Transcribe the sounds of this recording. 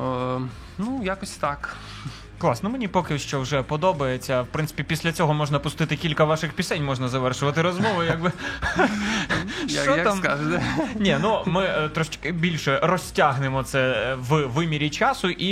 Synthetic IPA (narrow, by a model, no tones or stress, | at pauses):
nujakɔsʲt̪ɑk | klˠɑsnɔmenʲipɔkɪʃt͡ʃɔwʒɛpɔd̪ɔbɐjet͡sʲːɐwpɾɪnt̪sɪ̥pʲipʲisʲlʲɐt͡sʲɔɦɔmɔʒnɐpʊst̪ɪt̪ɪkʲilʲkɐʋɑʃɪxpʲisɛnʲmɔʒnɐzɐʋɛrʃʊʋɐt̪ɪɾɔzmɔʋʊjaɡbɪ | ʃt͡ʃɔt̪amaʒɛnʲinumɪt̪ɾɔʃt͡ʃkɪbʲilʲʃɛrɔsʲtʲaɦnɪmɔt̪sɛʋʋɪmʲiɾʲit͡ʃɑsʊʔi